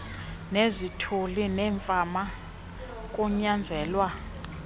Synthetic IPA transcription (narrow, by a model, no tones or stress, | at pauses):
nezitʰulinɛːɱfama | kʼuɲand͡zʱɛːlwa